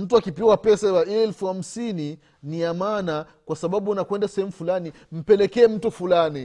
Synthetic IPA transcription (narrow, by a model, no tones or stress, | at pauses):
m̩tuakipiwapɛsawaɛɛlfuham̩sini | niamana | kwasaɓaɓunakwɛndasɛhɛmufulani | m̩pɛlɛkɛːm̩tufulani